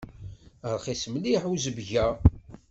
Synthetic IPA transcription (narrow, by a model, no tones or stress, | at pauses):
əɾˤχismliħuzəbʝæ